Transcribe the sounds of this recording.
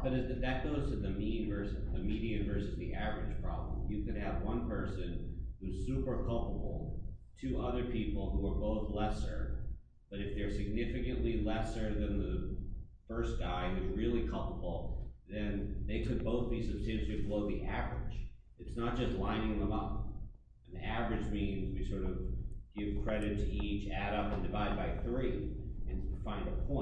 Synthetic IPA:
b̥ʌɾɨzɨðɨt̚ɡ̥oʊz̥tʰɨðɨmĩnvɜ˞sɨðɨmiɾiɨ̃ɱvɜ˞sɨzðiʔævə˞ɨd̥ʒ̥pʰɹ̥ɑ̰blə̰̃mjɨkɨd̚ɨvwʌ̃npʰɜ˞sɨ̃nhuz̥sʉpə˞kʰʌlˠpəbl̩ˠtʰɨʔʌ̰ðə˞pʰipl̩ˠhuə˞boʊθlɛsə̰˞ | b̥ʌɾɨfðə˞sɨɡ̚nɪfɨkɨ̃nʔlilɛsə˞ðɨ̃nðɨ | fɜ˞sɡ̥aɪɪzɹɪlˠikʰʌlˠpəbl̩ˠðɨ̃nðeɪkʰɨd̚boʊθb̥isɨb̥stæ̃ntɨɨbloʊðiʔævɹɪ̰̥d͡ʒ | ɨtsnət̚d̥ʒ̥ʌstˡlãɪ̃ñɪ̃ŋðə̃mʌp̚ | n̩ðḭævəɹɨd͡ʒmĩnzwisɔɹɾʌvɡ̥ɪv̥kʰɹ̥ɛɾɨtʰɨit͡ʃæɾʌpɨ̃ndɨvaɪd̚baɪθɹiɨ̃nfãɪ̃ndəpʰɔ̃ɪ̃

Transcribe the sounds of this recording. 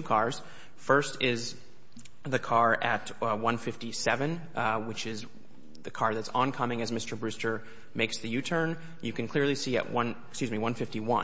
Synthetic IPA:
kʰɑɹz̥ | fɜ˞stʰɪz | ðɨkʰɑɹɨt̚ | wʌ̃nfɪftisɛvɨ̃n | wɨt͡ʃɪz | ðɨkʰɑɹðɨtsɑ̃nkʰʌmɪ̃ŋɨzmɪstə˞bɹʉstə˞ | meɪksðɨjʉtʰə̃˞n | jɨkɨ̃nkʰl̥ɪɹlisiɨ̰ʔ̚wʌ̃n | skjʉzmiwʌ̃nfɪftiwʌ̰̃

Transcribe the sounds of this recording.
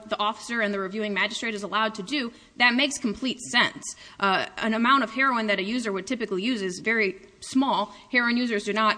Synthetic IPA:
ðiʔɔfə̥sə˞ɨ̃nðɨɹivjʉɪ̃ŋmæd͡ʒɨstɹ̥eɪɾɨzəlaʊd̚tʰɨdʉ | ðɨt̚meɪkskʰm̩pʰl̥itsɛ̃ns | ɨ̰̃nɨmãʊ̃ɾ̃ʌv̥hɛɹoʊɨ̃nðɨɾɨjʉzə˞wɨd̚tʰɪpɨklijʉzɨzvɛɹismɔlˠhɛɹoʊɨ̃njʉzə˞zdɨnət̚

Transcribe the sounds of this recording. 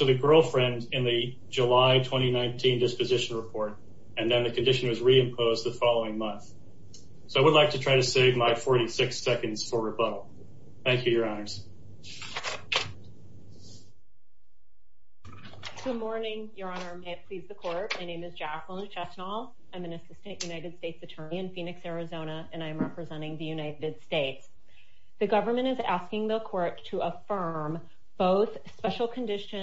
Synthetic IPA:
ɨðɨɡɜ˞lˠfɹɛ̃ndɨ̃nðɨ | d͡ʒəlaɪtʰw̥ɛ̃ɾ̃inãɪ̃ntʰĩndɪspɨzɪʃn̩ɹɨpʰɔɹɾ | ɨ̃nðɨ̃nðɨkʰɨ̃ndɪʃɨ̃n̩wʌzɹiɨ̃mpʰoʊzðɨfɑlˠoʊɪ̃ŋmʌ̃nθ | soʊaɪwədˡlaɪk̚tʰɨtʰɹ̥aɪɾɨseɪvmaɪfɔɹɾisɪksɛkɨ̃ndz̥fə˞ɹɨboʊ | θæ̃ŋkʰjɨjə˞ɑnə˞z̥ | ɡ̥ʊd̚mɔɹnɪ̃ŋjə˞ɑnə˞meɪɨpʰl̥izðɨkʰɔɹt̚maɪnẽɪ̃mɨzd͡ʒæklə̃nt͡ʃʰɛsnɔlˠ | ãɪ̃mɨ̃nɨsɪstɨ̃nʔjʔʉnaɪɾɨd̥steɪtsɨtʰɜ˞niɨ̃nfĩnɨksɛɹɨzõʊ̃ñəɨ̃ñaɪɨ̃mɹɛpɹɨzɛ̃ɾ̃ɪ̃ŋðɨjʉnaɪɾɨd̥steɪts | ðɨɡʌvə˞mɨ̃ɾ̃ɨzæskɪ̃ŋðəkʰɔɹtʰəəfɜ̃˞m | b̥oʊθ | spɛʃl̩ˠkʰɨ̃ndɪʃɨ̃

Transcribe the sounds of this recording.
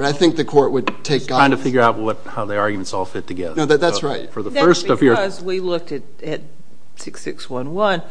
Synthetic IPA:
ɾaɪθɪ̃ŋk̚ðɨkʰɔɹt̚wɨdtʰeɪk̚ɡ̥ãɪɪ̃ndɨfɪɡjə˞aʊt̚wʌt̚haʊðiɑɹɡjmɨ̃ntsɔlˠfɪtʰɨɡɛ̰ðənoʊðɨðætsɹaɪt̚fə˞ðəfɜ˞stʌvjə˞zwilʊk̚tɨt̚ | ɨt̚ | sɪksɪkswʌ̃nwʌ̃n

